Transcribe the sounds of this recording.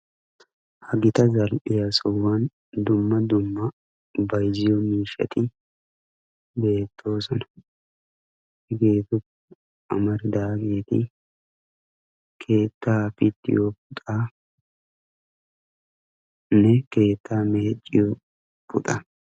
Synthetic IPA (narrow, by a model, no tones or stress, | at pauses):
hɐɡɪt̪ɐzɐlpɪjɐsɔwɐn | d̪ʊmːɐd̪ʊmːɐ | bɐjzɪjɔmiːʃɐ̰t̪ɪ | be̞ːt̪ʰːo̞ːsɔnɐ | ɪɡeːt̪ʊk | ʔɐ̰mɐɾɪd̪aːɡeːt̪ɪ̰ | kʰe̞ːt̪ːaːfɪt̪ːɪ̰joːpʊt̪ʼaː | nɛke̞ːt̪ʰːaːmeːt͡ʃʼːɪjo | pʼʊt̪ʼɐ